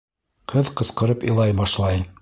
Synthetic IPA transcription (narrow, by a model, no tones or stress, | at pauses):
qʰɤðqɤ̆sqɤ̆ɾɤpɤ̰̆lˠɑjbɑʃlˠɑj